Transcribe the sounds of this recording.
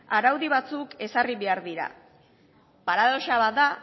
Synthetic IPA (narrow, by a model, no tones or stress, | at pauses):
aɾawðiβat͡suke̞sariβe̞aɾðiɾa̰ | paɾaðo̞ʃaβat̪d̪a